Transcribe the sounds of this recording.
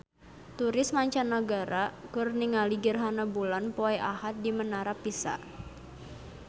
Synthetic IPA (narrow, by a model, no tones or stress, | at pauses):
t̪uɾɪsmaɲt͡ʃanːaɡaɾakərniŋaliɡərɦanabulanpoɛʔahat̪̚dimənaɾapisa̰ʔ